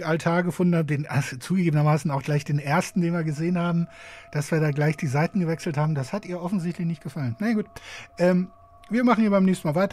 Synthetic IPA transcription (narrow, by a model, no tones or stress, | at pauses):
altʰaːɐɡəfʊndn̩haːd̥eːnʔazt͡suːɡəɡeːbənɐmaːsn̩aʊxɡ̥laɪçd̥eːnʔeːɐstn̩d̥eːnviːɐɡəzeːənhaːbm̩d̥asv̥iːɐdaːɡlaɪçd̥iːzaɪtn̩ɡəvɛksl̩thaːbm̩dashatʔiːɐʔɔfn̩zɪçtʰlɪçnɪçt̚ɡ̥əfalənːajaɡuːtʔɛːm | viːɐmaχn̩hiːɐbaɪnɛːçstn̩maːlvaɪt